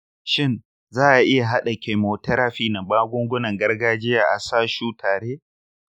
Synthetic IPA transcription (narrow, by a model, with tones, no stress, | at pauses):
ʃɪ˦n | zaː˦ʔa˨ʔɪ˦ja˨ɦa˦ɗa˨kʲe˨moː˨tɐ˦ɾaː˦ɸiː˦nɐ˨baː˦ɡʷʊ˦ŋɡʷʊ˦nɐ˨ŋɡɐ˦rɡaː˦d͡ʒɪ˦jaː˨ʔa˨saː˦ʃuː˦tʰaː˨ɽeː˦